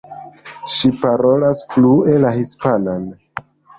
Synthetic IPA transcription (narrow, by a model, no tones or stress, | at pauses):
ʃipaɾo̞lasfluelahispanan